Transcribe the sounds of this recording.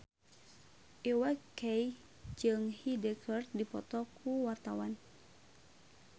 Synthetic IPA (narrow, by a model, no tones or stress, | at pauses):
ʔiwakɛj | d͡ʒɨŋhidɛkɔrt̪̚dipɔ̰t̪ɔkʰuwart̪awan